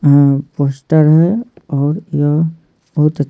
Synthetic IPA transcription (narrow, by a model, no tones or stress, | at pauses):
poːsʈəɾɦɛɔːɾja | bəɦʊt̪ə